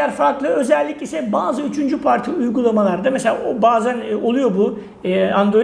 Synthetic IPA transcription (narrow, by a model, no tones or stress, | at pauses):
æɾfaɾklˠɯø̞zɛlʲːicisɛbaːzɯyt͡ʃʰynd͡ʒypʰaɾt̪ʰiujɡulˠamalˠaɾd̪amese̞lʲa̰obaːzæno̞lˠujo̞buː | and̪ɾo̞